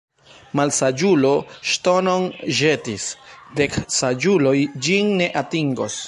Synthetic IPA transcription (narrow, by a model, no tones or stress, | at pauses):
malsad͡ʒulo̞ʃto̞no̞nʒe̞tisde̞ksad͡ʒulo̞jd͡ʒinːe̞ʔatiŋɡo̞s